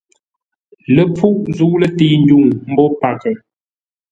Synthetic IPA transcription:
lə˨p͡fu˦ʔzu˨˦lə˦˨ti˦n˦du˦˨ŋm̩˦bɔ˦pa˨kɛ˨

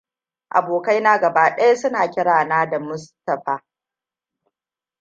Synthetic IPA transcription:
ʔa̰˨boː˨kɐ˦jna˦ɡɐ˨baː˦ɗɐ˦ja˦sʊ˦naː˨kʲɪ˦ɽaː˨naː˦da˨mʊ˦stɐ˨ɸaː˨

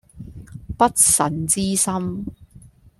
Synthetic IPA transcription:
pɐ˥t̚sɐ˨nt͡siː˥sɐ˥m

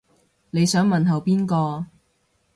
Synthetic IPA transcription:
ne˨˧jsœː˨˥ŋmɐ˨nɦɐ˨wpiː˥nkɔː˧

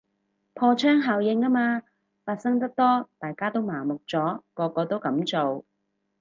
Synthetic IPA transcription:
pʰɔː˧t͡ʃʰœː˥ŋɦaː˨˩wjɪ˨˧ŋaː˥maː˧ | faː˧t̚sɐ˥ŋt̪ɐ˥k̚t̪ɔː˥t̪aː˨jkaː˥t̪o˥wmaː˨˩mʊ˨k̚t͡sɔː˨˥kɔː˧kːɔː˧t̪o˥wkɐ˨˥mt͡so˨w

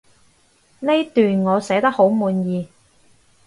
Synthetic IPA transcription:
le˥t̪yː˨nŋɔː˨˧sɛː˨˥t̪ɐ˥k̚ho˨˥wmuː˨˧njiː˨˧

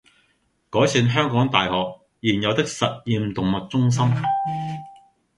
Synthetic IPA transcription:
kɔː˨˥jsiː˧nɦœː˥ŋkɔː˨˥ŋt̪a̰ː˨jɦɔː˨k̚ | jiː˨˩njɐ˨˧wt̪ɪ˥k̚sɐ˨t̚jiː˧mt̪ʊ˨ŋmɐ˨t̚t͡sʊ˥ŋs̬ɐ˥m

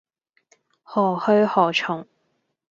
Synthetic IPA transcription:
hɔː˨˩hɵ˧ɥhɔː˨˩t͡ʃʰʊ˨˩ŋ

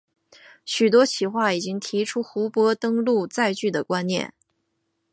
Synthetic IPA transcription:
ɕy˨˩t̪wɔ˥t͡ɕʰi˧˩xwa˥˩i˨˩t͡ɕi˥ŋt̪ʰi˧˥ʈ͡ʂʰu˥xu˧˥pwɔ˥t̪ɤ˥ŋlu˥˧t͡sa˥˧ɪt͡ɕy˥˩d̪ə˩kwa˥nnjɛ̰˥˩n

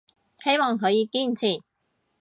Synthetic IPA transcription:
he˥jmɔː˨˩ŋɦɵ˨˧jiː˨˧kiː˥n̩˨t͡sʰiː˨˩

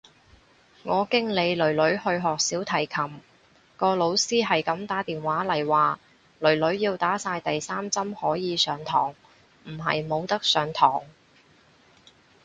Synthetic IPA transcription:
ŋɔː˨˧kɪ˥ŋle˨˧jlɵ˨˩ɥlɵ˨˥ɥhɵ˧ɥɦɔː˨k̚siː˨˥wt̪ʰɐ˨˩jkʰɐ˨˩m | kɔː˧lo˨˧wsiː˥ɦɐ˨jkɐ˨˧˥mt̪aː˨˥t̪iː˨nwaː˨˥lɐ˨˩jwaː˨ | lɵ˨˩ɥlɵ˨˥ɥjiː˧wt̪aː˨˥saː˧jt̪ɐ˨jsaː˥mt͡sɐ˥mhɔː˨˥jiː˨˧sœː˨˧ŋt̪ʰɔː˨˩ŋ | m̩˨˩ɦɐ̰˨jmo˨˧wt̪ɐ˥k̚sœː˨˧ŋt̪ʰɔː˨˩ŋ

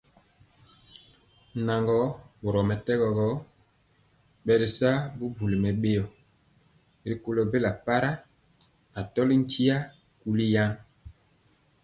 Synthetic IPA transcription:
na˨ŋɡɔ˦bo˨ɾɔ˨mɛ˨tɛ˦ɡɔ˨ɡɔ˦ | ɓɛ˨ɾi˨sa˦bu˦bu˨li˨mɛ˨ɓe˦jɔ˨ | ɾi˨ko˨lo˨be˦la˨pa˦ɾa˦ | a˨tɔ˦li˦ŋ̩˦ki˦a˦ | ku˦li˦ja˦

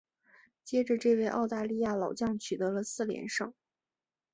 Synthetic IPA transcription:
t͡ɕjɛ˥ʈ͡ʂə˧ʈ͡ʂɤ˥˧we˥˩˧ɪʔɑ˥˧ʊt̪a˥˧li˥˧ja˥˩lɑ˨˩ʊt͡ɕjɑ˥˩ŋt͡ɕʰy˨˩t̪ɤ˧˥lə˧sɹ̩˥˩ljɛ̰˧˥nʂɤ˥˩ŋ

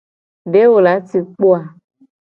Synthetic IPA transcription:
ɖe˦wo˨la˨˦ti˨k͡po˦a˨

